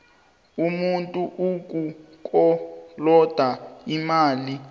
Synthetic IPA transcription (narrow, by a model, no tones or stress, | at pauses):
umuntʼuʔuk̬ʼu | k̬ʼɔlɔd̥ʱaimaːli